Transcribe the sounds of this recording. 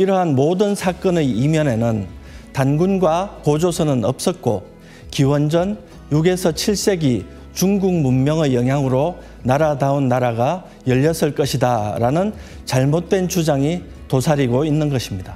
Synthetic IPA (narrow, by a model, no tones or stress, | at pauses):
iɾʌɦanmodɯnsʰak͈ʌneimjʌne̞nɯntanɡunɡwapod͡ʑosʰʌnɯnʌp̚s͈ʌt̚k͈o | kiwʌnd͡ʑʌn | juɡe̞sʰʌt͡ɕʰiɭs͈e̞ɡi | t͡ɕuŋɡuŋ̚munmjʌŋɯjʌŋɦjaŋɯɾo | naɾadaunːaɾaɡa | jʌʎːʌs͈ɯɭk͈ʌɕʰidaɾanɯn | t͡ɕaɭmot̚t͈we̞nt͡ɕud͡ʑaŋi | tosʰaɾiɡoinːɯnɡʌɕʰimɲida